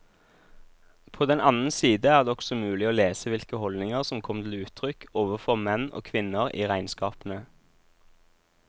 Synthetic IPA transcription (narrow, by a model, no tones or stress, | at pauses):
pʰoːd̪ɛnɑnən̩siːd̪əæːʁd̪eːɔɡ̥sɔmʉːlɪoːleːsəʋɪlkəhɔld̪nɪŋəʁsɔmkʰɔmt̪ʰɪlʉːt̪ʰʁʏkoːʋəfɔʁmɛno̰ːkʰʋɪnəʁḭːʁæɪnskɑːpn̩ə